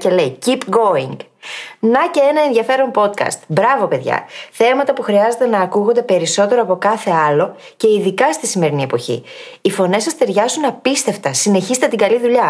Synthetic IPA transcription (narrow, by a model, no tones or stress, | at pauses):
ce̞le̞jcipɡo̞iŋɡ | nɐce̞e̞nɐenðiɐfe̞ɾo̞mpo̞t̪kɐ̰st̪bɾɐvo̞pe̞ðʝɐ̰θe̞mɐt̪ɐpuxɾiɐze̞t̪enɐːkuɣo̞nd̪e̞pe̞ɾiso̞t̪e̞ɾo̞ɐpo̞kɐθe̞ɐlo̞ | ce̞iðikɐst̪isime̞ɾinie̞poçḭifo̞ne̞sɐst̪e̞ɾʝɐzunɐpist̪e̞ft̪ɐsine̞çiszt̪et̪iŋɡɐliðuʎɐ